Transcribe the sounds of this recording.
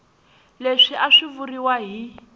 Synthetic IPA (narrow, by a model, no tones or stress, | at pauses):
leʂiʔaʂivuriwaɦi